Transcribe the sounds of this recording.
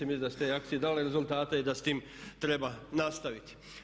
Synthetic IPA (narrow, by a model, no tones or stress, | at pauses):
imisd̪ast̪ejak̚tsijed̪aleɾezulˠt̪aːt̪eid̪ast̪iːm | t̪ɾebanast̪aʋit̪i̥